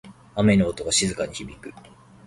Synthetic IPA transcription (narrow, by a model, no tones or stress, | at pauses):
ame̞noːt̪o̞ɡaɕizɨkaɲ̟içibʲikɯ̟